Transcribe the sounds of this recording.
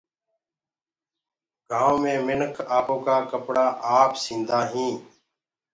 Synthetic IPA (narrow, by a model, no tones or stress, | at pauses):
ɡʱãːomẽːmɪnkʰaːpoːkaːkəpɽaːʔaːpsĩːnd̪aːɦĩː